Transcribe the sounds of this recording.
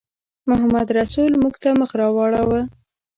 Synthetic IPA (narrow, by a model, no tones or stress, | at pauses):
mʊɦamad̪ɾasulmuɡt̪aməxɾɑwɑɽawa